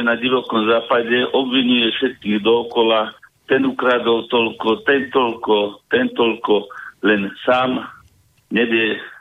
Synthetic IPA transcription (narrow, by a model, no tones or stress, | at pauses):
naɟiʋɔkɔmzaːpaɟɛʔɔbʋiɲujɛfʃɛt̪̚kiːɣd̪ɔːkɔlat̪ɛnukɾad̪ɔwt̪ɔlkɔt̪ɛnt̪ɔʎkɔt̪ɛnt̪ɔʎkɔlɛnsaːm | ɲɛbɪjɛ